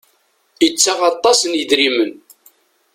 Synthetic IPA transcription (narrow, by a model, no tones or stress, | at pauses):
jət͡sːaʁɑt̪ˤːɑsənjəðɾimən